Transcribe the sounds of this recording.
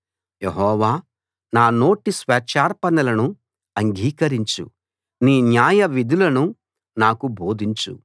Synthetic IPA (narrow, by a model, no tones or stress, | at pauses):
jeɦɔːʋaː | naːno̞ːʈisʋɛːt͡ʃaːɾpɐnɐlɐnu | ɐŋɡʱiːkɐɾiɲt͡ʃṵ | niːnjaːjɐʋid̪ʱulɐnu | naːkubo̞ːd̪ʱiɲt͡ʃṵ